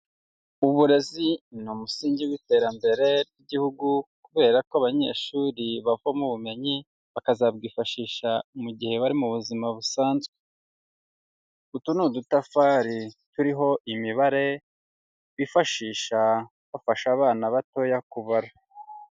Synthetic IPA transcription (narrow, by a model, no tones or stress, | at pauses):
uβuɾe̞zinumusiːɲɟiwite̞ɾambe̞ɾe̞ɾɡiɟihuɡukuβe̞ːɾakoaβaɲe̞̰ːʃuɾiβavamuβume̞ɲi | βakazabɡiːfaʃiːʃamuɟiheβaɾimuβuzimaβusaːnzɡe | utunudutafaːɾituɾiɦo̞ʔimiβaɾe̞ | βifaʃiːʃa | βafaʃaβaːnaβato̞jakuβaɾa